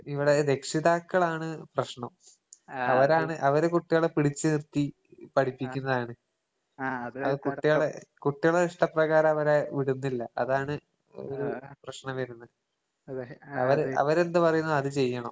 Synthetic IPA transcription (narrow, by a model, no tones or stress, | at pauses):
iʋiɽe̞ɾe̞kʂiðaːkːɐɭaːɳɨprɐɕɳɐm | ɐʋɐɾaːɳɨʔɐʋɐɾekuʈːijoɭepiɽit͡ɕːɨnirt̪i | pɐɽʰipːikʲːunːɐðaːɳɨ | ɐðɨkuʈːijoɭekuʈːijoɭːeiʂʈɐprɐɣaːɾɐɐʋɐɾeʋiɽunːilːɐʔɐ̰ðaːɳɨ | o̰ɾuprɐɕɳɐmʋɐɾunːɐ | ɐʋɐɾɐ̰ʋɐɾe̞nd̪ɨpɐrɐjunːɐɐðɨt͡ɕe̞jːɐɳɐm